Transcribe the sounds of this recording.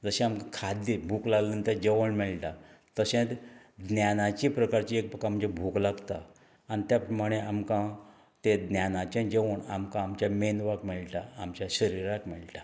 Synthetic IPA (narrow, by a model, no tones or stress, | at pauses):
d͡zəɕẽamkãkʰad̪libʱuklaɡlənt̪ẽd͡ʑeʋəɳmiɭʈat̪əɕẽt̪ | d̪njanat͡ɕipɾəkaɾt͡ɕiek̚pəkam̤əd͡ʑebʱuklaɡt̪a | anit̪japɾəmaɽ̃eamkã | t̪ed̪njanat͡ɕẽd͡ʑeʋəɳa̰mkãːmt͡ɕjamenʋakmiɭʈaːmt͡ɕjaɕəɾiɾakmiɭʈa